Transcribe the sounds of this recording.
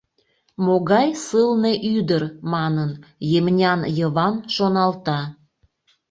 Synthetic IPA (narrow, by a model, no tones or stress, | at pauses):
moɣɑjsɨlneʔyd̪ərmɑnənjemnʲɑnjəβɑnʃonɑlt̪ɑ